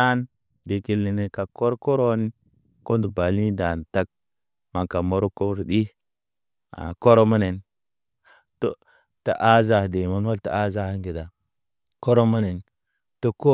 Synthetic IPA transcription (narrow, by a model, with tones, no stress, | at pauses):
a˦n | de˨ki˨lːi˨ne˨ka˨ko˦ɾko˦ɾo˦ni˦ | ko˦ndu˨ba˨li˦da˨n˨ta˦k̚ | ma˨ŋka˨mo˦ɾo˦ko˦bɾdi˦ | a̰˨ko˦ɾo˦ma˦ne˨n | to˦ | ta˨ʔa˦za˨hde˨ma˦nwa˦lta˨a˦za˦ha˦ŋɡi˨da˨ | ko˦ɾo˦ma˦ne˨n | to˦ko˦